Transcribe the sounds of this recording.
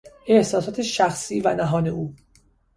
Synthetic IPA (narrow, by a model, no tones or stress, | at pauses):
e̞hsɒːsɒːt̪ʰeʃæxsiːvænæɦɒːneʔuː